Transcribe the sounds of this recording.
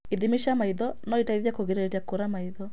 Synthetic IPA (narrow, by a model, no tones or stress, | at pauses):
iðimiʃamaiðɔnɔitaiðjakoɣeɾeetakoɾamaiðɔ